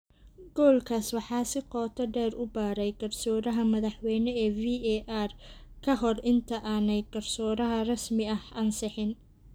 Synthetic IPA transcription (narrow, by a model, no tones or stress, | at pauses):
ɡɔːlkʰaːswɑħɑːsɪqɔːt̪ʰɐɖɛːrʊbaːɾɛjɡɐrsɔːɾɐɦɐmɐðɑħwɛjnɛɛːviɛʔarkʰɐɦɔrɪnt̪ʰɐʔaːnɛjɡɐrsɔːɾɐɦɐrɐsmɪɐhɐnsɑħɪn